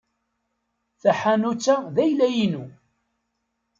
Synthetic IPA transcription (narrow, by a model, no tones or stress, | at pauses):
θæħanut͡sːaðæjlæjinu